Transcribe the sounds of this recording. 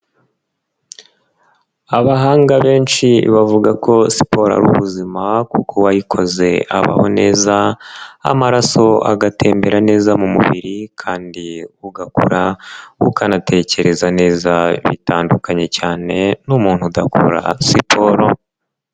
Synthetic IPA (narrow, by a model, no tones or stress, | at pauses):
aβaɦaːŋɡaβe̞ːnʃiβavuɡakʰo̞si̥po̞ɾa̰ɾṵβuzimakukʰo̞wajikʰo̞ze̞aβa̰ho̞̰ne̞ːzaa̰maɾaso̞a̰ɡatʰe̞ːmbe̞ɾane̞ːzamumṵβiɾikʰaːndiuɡakṵɾaṵkʰanate̞ce̞ɾe̞zane̞ːzaβḭtaːndukaɲe̞caːne̞numuːn̥hudakʰo̰ɾa̰sipʰo̞ɾo